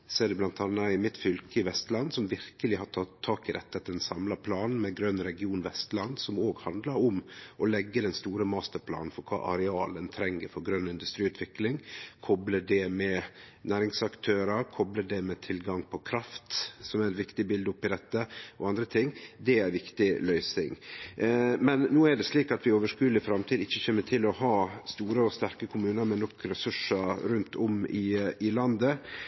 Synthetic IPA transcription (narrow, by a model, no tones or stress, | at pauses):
sɛːd̪ɛblɑnt̪ɑnːɑɪmɪt̪fʏlkəɪʋɛst̪lɑnsɔmʋɪɾkəlɪɦɑt̪ʰɑːɑːkɪd̪ɛ̰t̪ːət̪d̪ɛnsɑmlɑpʰlɑːnn̩mɛɡɾœnːɾɛɡɪuːnʋɛst̪lɑnːsɔmoːɡhɑnd̪ləɾɔmʔɔlɛɡːəd̪ɛnst̪uːɾəmɑːst̪əɾpʰlɑ̰ːnn̩fɔɾkʰɑ̰ːʔɑ̰ɾɛɑːlənt̪ʰɾɛŋːəɾfɔɾɡɾœnːɪnd̪ʉst̪ɾiːʉːt̪ʰʋɪklɪŋkʰɔbləɖɛmɛnæːɾɪŋsɑkt̪ʰøːɾəkʰɔbləɖɛmɛt̪ʰɪlɡɑŋpʰɔkʰɾɑft̪sɔmæɾɛt̪ʋɪkt̪ɪbɪld̪əʊpːɪd̪ɛt̪ːəɔɑnd̪ɾət̪ʰɪŋːd̪ɛæɾʋɪkt̪ɪlœʏsɪ̰ŋ | mɛnːuːæɖɛsliːkɑt̪ʋɪoːʋəʂkʉːd̪ɪfɾɑmt̪ʰiːd̪ɪçːəçeːnːəʈʰɪlɔhɑːst̪uːɾəɔst̪æɾkəkʰʊmʉːnəɾmɛnːɔkɾɛsʉʂəɾɾʉnt̪ʰɔmɪɪlɑnd̪ə